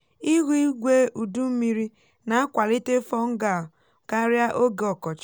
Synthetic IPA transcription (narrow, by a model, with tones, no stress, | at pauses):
i˦ɣu˦i˦ɡʷe˦ʔu˨du˦m̩˦mi˦ɾi˦ | na˨a˦kʷa˨li˦te˦fɔ˦ŋ̩˦ɡa˨ | ka˦ɾja˦ʔo˦ɡe˨ɔ˨kɔ˨t͡ʃ